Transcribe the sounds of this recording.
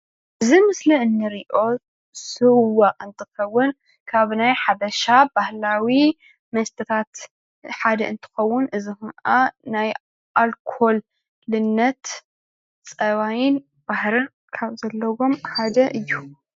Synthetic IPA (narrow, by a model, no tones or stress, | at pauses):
ʔɨzimɨsliɨnːɨɾiʔo̞ | sɨwaʔʼɨnt̪ʰɨxɐwːʊn | kʰaβnajħabɐʃabahlawi | mɐst̪ʰɨt̪ʰat̪ | ħad̪ɐʔɨnt̪ʰɨ̥xɐwːʊnʔɨzihɨnʔanaj | ʔalkʰo̞l | lɨnːɐt̪ | t͡sʼɐβajɪn | bahɾɨn | kʰaβzɐlːɐwo̞mħad̪ɐʔɨjːu